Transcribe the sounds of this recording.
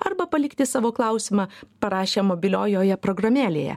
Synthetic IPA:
ɐɾbɐpɐlʲɪkt̪ʲɪsɑːʋoːklˠɐʊsʲɪmɑːpɐɾɑːʃʲemoːbʲɪlʲoːjoːjɛpɾoːɡɾɐmʲæːlʲḛjɛ̰

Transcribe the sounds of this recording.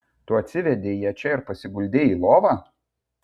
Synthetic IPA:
t̪uːɐt̪ʲsʲɪʋʲɛd̪ʲeːjɛt͡ʃʲɛɪɾpɐsʲɪɡʊlʲd̪ʲeːiːlˠoːʋɑː

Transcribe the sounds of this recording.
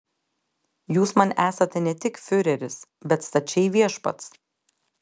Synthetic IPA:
juːsmɐnʔæːsɐt̪ʲɛnʲɛt̪ʲɪkfʲʊɾʲɛɾʲɪs | bʲɛt̪st̪ɐt͡ʃʲɛɪʋʲiɛʃpɐ̰t̪s

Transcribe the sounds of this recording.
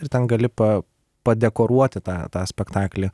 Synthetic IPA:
ɪɾt̪ʲɛnɡɐlʲɪpɐ | pɐd̪ʲɛkoːɾuɔt̪ʲɪt̪ɑːt̪ɑːsʲpʲɛkt̪ɑːklʲiː

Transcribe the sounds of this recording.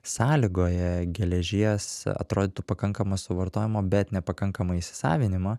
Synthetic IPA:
sɑːlʲiɡoːjɛɡʲɛlʲɛʒʲiɛsɐ̰t̪ɾoːd̪ʲɪt̪ʊpɐkɐŋkɐmɐsʊʋɐɾt̪oːjɪmoːbʲɛt̪nʲɛpɐkɐŋkɐmɐisʲɪ̥sɑ̰ːʋʲɪnʲɪmɐː

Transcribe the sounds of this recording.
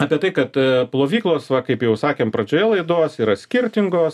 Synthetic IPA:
ɑːpʲiɛt̪ɐɪkɐt̪plˠoːʋʲiːklˠoːsʋɐkɐɪpjɛʊsɑːkʲeːmpɾɐd͡ʒʲoːjɛlˠɐɪd̪oːsiːɾɐsʲkʲɪɾʲt̪ʲɪŋɡoːs

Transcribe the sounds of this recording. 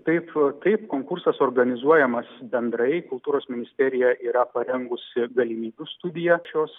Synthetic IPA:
t̪ɐɪpt̪ɐɪpkoːŋkʊɾsɐsoːrɡɐnʲɪzuɔjɛmɐsbʲɛnd̪ɾɐɪkʊlˠt̪uːɾoːsmʲɪnʲɪsʲt̪ʲɛɾʲɪjɛʔiːɾɐpɐɾʲɛŋɡʊsʲɪɡɐlʲimʲiːbʲʊst̪ʊd̪ʲɪjɛʃʲoːs

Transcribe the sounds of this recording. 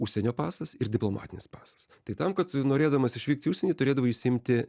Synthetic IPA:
uʃʲsʲɛnʲoːpɑːsɐsɪɾdʲɪplˠoːmʔɑ̰ːt̪ʲɪnʲɪspɑːsɐ̥st̪ɐɪt̪ɐmkɐt̪noːɾʲeːd̪ɐʋmɐsɪʃʲʋʲiːk̚t̪ʲiːʊʃʲsʲɛnʲɛɪt̪ʊɾʲeːd̪ɐʋoiːsʲɪmʲt̪ʲɪ

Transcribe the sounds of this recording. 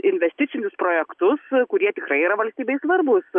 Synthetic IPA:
ɪnʲʋʲɛsʲt̪ʲɪtsʲɪnʲʊspɾoːjɛkt̪ʊskʊɾʲiɛt̪ʲɪkɾɐɪiɾɐʋɐlʲsʲt̪ʲiːbʲɛɪsʋɐrbʊs

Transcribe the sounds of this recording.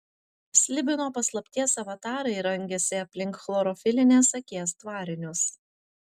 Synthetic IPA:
sʲlʲɪbʲɪnoːpɐslˠɐpʲt̪ʲiɛsɐʋɐt̪ɑːɾɐɪɾɐŋʲɡʲɛsʲɪɐpʲlʲɪŋkxlˠɔɾɔfʲɪlʲɪnʲeːsɐkʲiɛst̪ʋɑːɾʲɪnʲʊs

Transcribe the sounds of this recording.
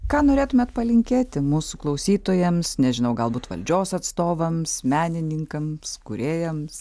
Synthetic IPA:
kɑːnoːɾʲeːt̪ʊmʲɛt̪pɐlʲɪŋʲkʲeːt̪ʲɪmuːsʊklˠɐʊsʲiːt̪oːjɛmsnʲɛʒʲɪnɐʊɡɐlˠbuːt̪ʋɐ̰lʲd͡ʒʲoːsɐt̪st̪oːʋɐmsmʲæːnʲɪnʲɪŋkɐmskʊɾʲeːjɛms

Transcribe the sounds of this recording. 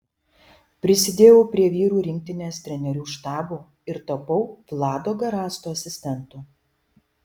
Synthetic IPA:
pʲɾʲɪsʲɪd̪ʲeːjɛʊpʲɾʲiɛʋʲiːɾuːɾʲɪŋʲk̚ʲt̪ʲɪnʲeːst̪ʲɾʲɛnʲɛɾʲuːʃt̪ɑːbuː | ɪɾt̪ɐpɐʊʋlˠɑːd̪oːɡɐɾɑːst̪oːɐsʲɪsʲt̪ʲɛnt̪uː

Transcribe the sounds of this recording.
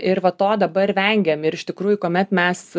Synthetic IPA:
ɪɾʋɐt̪oːd̪ɐbɐrʋʲɛŋʲɡʲɛːmɪɾɪʃt̪ʲɪkɾuːjʊkoːmʲɛt̪mʲɛs

